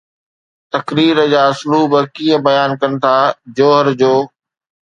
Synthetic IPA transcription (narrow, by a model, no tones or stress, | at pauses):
t̪ɐkɾiːɾəd͡ʑaːɐsluːbəkiːə̃bɐjaːnkɐnɪ̆t̪ʰaːd͡ʑoːɦəɾd͡ʑoː